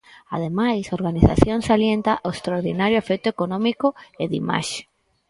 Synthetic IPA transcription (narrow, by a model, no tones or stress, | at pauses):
a̰ðemajsoɾɣaniθa̰θjoŋsaljent̪aʔoest̪ɾaoɾðinaɾjoefɛk̚t̪ʊekonɔ̃mikʊeðḭma̰ʃe̥